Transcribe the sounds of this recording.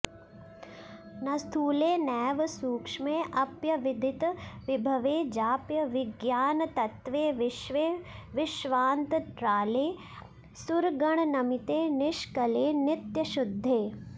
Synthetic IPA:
nɐst̪ʰuːleːnɛːʋsuːkʂmẽːʔɐpjɐʋɪd̪ʱɪt̪ʋɪbʱɐʋeːd͡ʒaːpjɐʋɪɡjaːnt̪ɐt̪ʋeːʋɪʃʋeʋɪʃʋaːnt̪ɾaːleː | sʊɾɡɐɳ̃nɐmɪt̪eːnɪʃkɐleːnɪt̪jɐʃʊd̪ʱːeː

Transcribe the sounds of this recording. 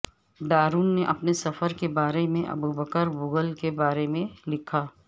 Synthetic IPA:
ɖaːɾuːnːeʔɐpnesɐfəɾkebaːɾemẽʔɐ̰bubəkəɾbʊɡəlkebaːɾemẽlɪkʰaː

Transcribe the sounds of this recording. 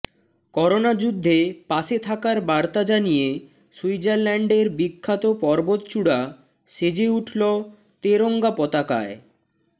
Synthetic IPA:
kɔɾonad͡ʑud̪ʱːepaʃet̪ʰakaɾbaɾt̪ad͡ʑanije | suid͡ʑaɾlɛɳɖeɾbikʰːat̪opɔɾbot̪t͡ɕuɽa | ʃed͡ʑeuʈʰlo | t̪eɾoŋɡapɔt̪aka̰e

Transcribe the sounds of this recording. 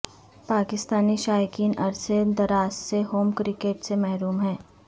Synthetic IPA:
paːkɪst̪aːniʃaːjəkiːnʔɐɾsed̪ɐɾaːsːeɦoːmkɾɪkeːʈsemɛɦɾuːmɦɛ̃ː

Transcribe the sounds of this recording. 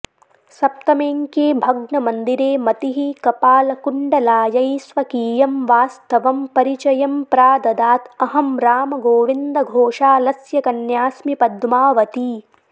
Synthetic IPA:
sɐp̚t̪ɐmeːŋkeːbʱɐɡɳɐmɐnd̪iɾeːmɐt̪iɦikɐpaːlɐkuɳɖɐlaːjɐjsʋɐkiːjɐmʋaːst̪ɐʋɐmpɐɾit͡ʃɐjɐmpɾaːd̪ɐd̪aːt̪ɐɦɐmɾaːmɐɡoːʋind̪ɐɡʱoːʂaːlɐsjɐkɐnjaːsmipɐd̪maːʋɐt̪i

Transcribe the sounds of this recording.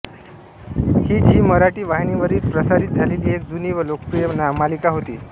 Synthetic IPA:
hiːd͡ʑiːməɾaʈiːʋaɦiniʋəɾiːlpɾəsaɾiːt̪̚d͡zʱaleliːekd͡zuniːʋəlokəpɾijənamalikaɦot̪ḭː

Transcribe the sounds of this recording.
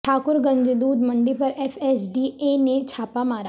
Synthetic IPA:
ʈʰaːkʊɾɡɐ̃ɲd͡ʒed̪uːd̪mɐ̃ɳɖipɐɾɛːfʰɛːsɖieːnet͡ʃʰaːpamaːɾa

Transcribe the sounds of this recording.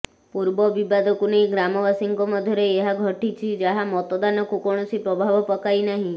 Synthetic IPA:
puɾbɔbibad̪ɔkunejɡɾamɔbasiŋkɔmɔd̪ʱjɔɾeːɦaɡʱɔʈit͡ʃʰid͡ʒaɦamɔt̪ɔd̪anɔkukɔɽ̃ɔsipɾɔbʱabɔpɔkajnaɦĩ

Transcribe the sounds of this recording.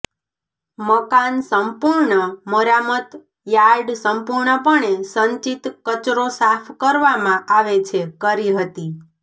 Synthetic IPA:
məkansəmpuɾɳəməɾamət̪ | jaɾɖsəmpuɾɳəpəɳesəɲt͡ʃit̪kət͡ʃɾosapʰkəɾʋamãʔaʋet͡ʃʰekəɾiɦət̪i

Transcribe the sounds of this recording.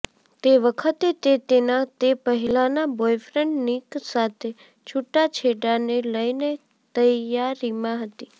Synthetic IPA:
t̪eʋəkʰət̪et̪et̪enãt̪epəɦilanabojfɾə̃ɳʈniksat̪ʰe | t͡ʃʰuʈːat͡ʃʰeɽaneləjne | t̪əjaɾimãɦət̪i

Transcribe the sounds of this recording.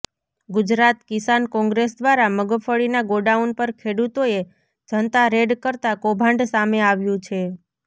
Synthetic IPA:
ɡʊd͡ʒɾat̪kisankɔ̃ŋɡɾesd̪ʋaɾaməɡfʰəɭinaɡoɖaunpəɾkʰeɽut̪oe | d͡ʒənt̪aɾeɖkəɾt̪akobʱãɳɖsameaʋjũt͡ʃʰe

